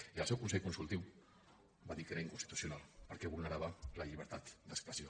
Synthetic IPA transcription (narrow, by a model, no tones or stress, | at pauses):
iəlˠsɛwkunsɛʎkunsulˠt̪iw | baðikeɾaiŋkunst̪it̪u̥sjunalˠpəɾkɛβuɾnəɾaβələʎiβ̞əɾt̪at̪d̪əkspɾəzio